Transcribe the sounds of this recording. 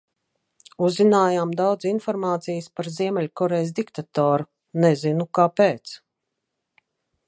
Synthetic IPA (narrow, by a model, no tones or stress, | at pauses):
uzːinaːjaːmd̪awd̪zinfɔɾmaːt̪sijɨspaɾziɛmʲɛlʲkɔɾɛjs̬d̪ikt̪at̪ɔːɾu | nɛzinukaːpeːt̪s